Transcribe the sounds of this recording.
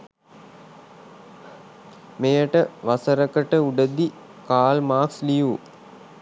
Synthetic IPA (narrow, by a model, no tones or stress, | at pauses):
mejəʈəʋasəɾəkəʈəuɖəd̪i | kaːlmaːksliju